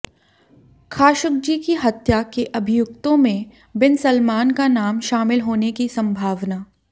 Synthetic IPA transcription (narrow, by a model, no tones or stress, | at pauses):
kʰaːʃʊk̚d͡ʒiːkiɦɐt̪jakeʔɐbʱɪjʊkt̪õmẽ | bɪnsɐlmaːnkanaːmʃaːmɪlɦoːnekisɐ̃mbʱaːʋnaː